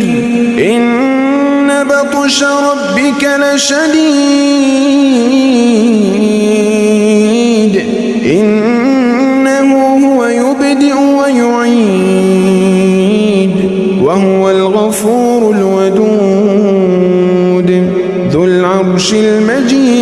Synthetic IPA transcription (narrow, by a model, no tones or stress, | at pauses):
ʔɪnː | abɑt̪ˤʃaɾˤɑbːɪkalɪʃad̪iː | d̪ | ʔɪnː | aɦʊhʊwajʊbd̪ɪʔʊwajʊʕi | d̪ | wahʊwalɣafuːɾʊlwad̪uː | d̪ | ðʊlʕɑbʃɪlmad͡ʒiː